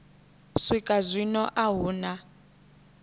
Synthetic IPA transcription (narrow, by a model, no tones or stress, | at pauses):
sʷikʼazʷinɔʔaɦuːna